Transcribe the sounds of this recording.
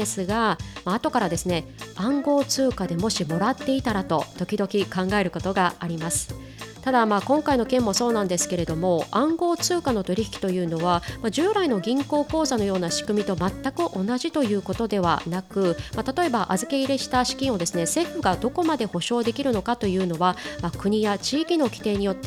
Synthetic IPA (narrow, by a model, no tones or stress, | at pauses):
d̪esɨɡamaːt̪o̞kaɾad̪e̞sɨne̞ | ãŋɡo̞ːt͡sɨːkad̪e̞mo̞ɕimo̞ɾat̪ːe̞it̪aɾat̪o̞t̪o̞kʲid̪o̞kʲikãŋɡae̞ɾɯ̟ko̞t̪o̞ɡaaɾʲimasɨ̥ | t̪ad̪amaːkõ̞ŋkaino̞kẽ̞mːo̞so̞ːnãnd̪e̞sɨ̥ke̞ɾe̞d̪o̞mo̞ãŋɡo̞ːt͡sɨːkano̞t̪o̞ɾʲiçi̥kʲi̥t̪o̞jɯ̟ːno̞β̞amaʑɨːɾaino̞ɡʲĩŋko̞ːko̞ːzano̞jo̞ːnaɕi̥kɯ̟mʲit̪o̞mat̪ːakɯ̟ʔo̞naʑit̪o̞jɯ̟ːko̞t̪o̞d̪e̞βa̰nakɯ̟mat̪at̪o̞e̞baʔazɨke̞iɾe̞ɕi̥t̪aɕi̥kʲĩɰ̃o̞d̪e̞sɨne̞se̞ɸɯ̟ɡad̪o̞ko̞mad̪e̞ho̞ɕo̞ːd̪e̞kʲiɾɯ̟no̞kat̪o̞jɯ̟ːno̞βamakɯ̟ɲ̟ijat͡ɕiːkʲino̞kʲi̥t̪e̞ːɲ̟ijo̞t̪ːe